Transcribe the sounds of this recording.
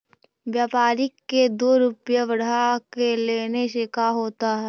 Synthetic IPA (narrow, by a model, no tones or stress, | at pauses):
ʋjaːpaːɾɪkːed̪oːɾʊpjəʋɐɽ̤akeleːneʃekaɦoːt̪aɦɛː